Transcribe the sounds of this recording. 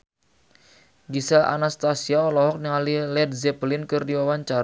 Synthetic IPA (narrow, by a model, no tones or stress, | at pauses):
ɡisaʔa̰nast̪asiaɔlɔɦɔk̚niŋalilɛd̚zɛplɪnkɨrdiwawaɲt͡ʃaɾ